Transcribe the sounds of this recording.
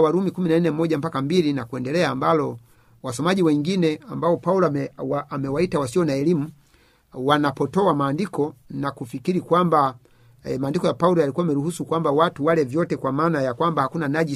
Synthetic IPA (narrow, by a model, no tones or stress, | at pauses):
waɾumikuminanɛm̩mɔɟam̩pakam̩bilinakuɛndɛlɛaːmbalɔ | wasɔmaɟiwɛŋɡinɛambaɔpaulɔamɛwaitawasiɔnaɛlimu | wanapɔtɔamaːndikɔnakufikiɾikwamba | ɛmaːndikɔjapaulɔjalikuwaːmɛɾuɦusukwambawatuwalɛvjɔtɛkwamaːnajakwambahakunanaʄi